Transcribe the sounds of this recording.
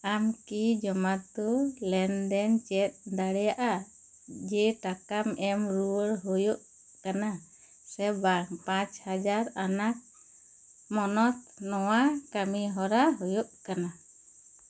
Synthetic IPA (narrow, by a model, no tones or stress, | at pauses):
amkid͡ʒɔmat̪d̪ɔlɛnd̪ɛnt͡ʃɛt̪̚ˀd̪aɽɛjaʔa | d͡ʒɛʈakamɛmɾuəɾɦɔjoʔ | kana | sɛbapãt͡ʃhad͡ʒaɾanak̚ | mɔnɔt̪̚nɔwakamiɦɔɾaɦɔjɔʔkana